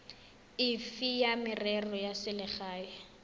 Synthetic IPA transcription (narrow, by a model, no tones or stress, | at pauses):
ɪfijamɪrɛrɔjasɪlɪχaːjɔ